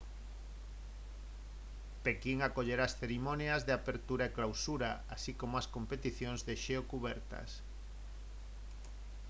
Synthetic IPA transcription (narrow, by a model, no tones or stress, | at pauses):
pekiŋakoʎeɾaːsθeɾimonjazðeapeɾt̪uɾaeklawsuɾaasikomʊaskompet̪iθjõŋzðeʃeokuβɛɾt̪ɐ̰s